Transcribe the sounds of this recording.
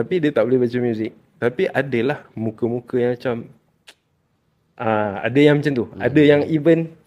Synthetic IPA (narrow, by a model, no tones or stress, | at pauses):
t̪apidiət̪aʔbolɛhbat͡ʃəmjuzɪk̚ | t̪apiʔadəlahmukəmukəjaŋmat͡ʃam | ʔaa̰dəjaŋmat͡ʃamt̪ua̰dəjaŋibən